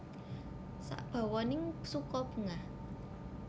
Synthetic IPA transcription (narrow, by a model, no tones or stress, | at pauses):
sa̰ʔb̥a̤wɔnɪŋsukɔb̥ə̤ŋah